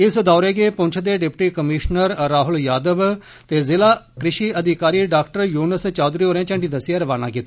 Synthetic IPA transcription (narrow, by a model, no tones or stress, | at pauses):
ɪsd̪ɔːɾeːɡeːpʊ̃ɲt͡ʃʰd̪eːɖɪpʈiːkəmiʃnəɾːaːɦʊljaːd̪əb | t̪eːzɪlaːkɾɪʃiːəd̪ɪkaːɾiːɖaːkʈəɾjuːnəst͡ʃaːd̪ɾiːoːɾɛ̃ːt͡ʃə̃ɳɖiːd̪əsɪjaːɾəʋaːna̰ːkiːt̪ː